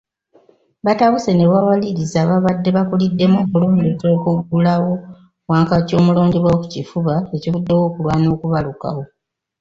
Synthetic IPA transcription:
βataβuse̞ne̞βawaliɾizaβaβadːe̞βakulidːe̞moːkuloːndezoːkuɡulawo̞ | waːŋkaco̞ːmuloːndiβwawoku̥cifuβaecivudːewo̞ːkulwaːno̞ːkuβaluka̰wo̞

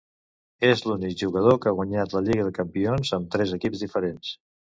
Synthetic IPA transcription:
ezlunik̚ʒuɣəð̞okəaɣ̞waɲat̪ləʎiɣəðəkəmpionzəmt̪ɾɛzəkipzðifəɾens

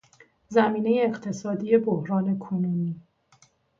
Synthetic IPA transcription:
zæmiːne̞je̞ːqt̪ʰe̞sɒːd̪iːje̞bohɾɒːne̞kʰonuːniː

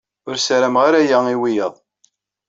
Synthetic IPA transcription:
ʊɾsɾæmʁaɾæjæiwijəðˤ

